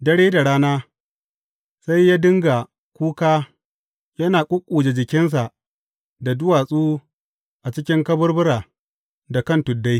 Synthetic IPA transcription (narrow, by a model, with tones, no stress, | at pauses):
dɐ˦ɽeː˦da˨ɽaː˦naː˦ | sa˦jːaː˦dɪ˦ŋɡa˨ | kʷuː˦kaː˦ | jɐ˦naː˨kʷʼʊ˦kʷʼːuː˨d͡ʒe˨d͡ʒɪ˨kʲɪ˦ns̬a˨ʔ | da˨dʊ˦waː˨sʼuː˦ | ʔa˨t͡ʃɪ˦kʲɪ˦ŋkɐ˦bʊ˦rbʊ˦ɾaː˨ | da˨kɐ˦˨ntʊ˨dːa˦j